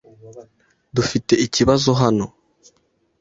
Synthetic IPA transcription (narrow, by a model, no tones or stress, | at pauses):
dufite̞iciβazoɦano̞